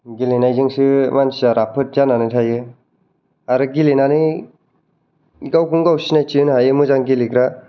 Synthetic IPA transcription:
ɡilinajzɯŋsɯmansiaɾapʰɯt̚zananɯtʰajɯ | aɾɯɡilinani | ɡawkʰuŋɡawsinajt͡ʃinɦajɯmɯzaŋɡilikɾa

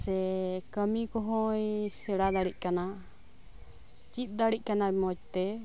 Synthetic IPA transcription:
sɛkəmikɔɦɔjsɛɽad̪aɽic̚ˀkana | t͡ʃit̪̚d̪aɽic̚ˀkanamɔt͡ʃ̚t̪ɛ

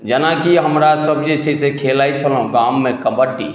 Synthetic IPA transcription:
d͡ʒənakiɦəmɾasəbd͡ʒet͡ʃʰesekʰelait͡ʃʰəlɦũɡamːẽkəbəʈːḭ

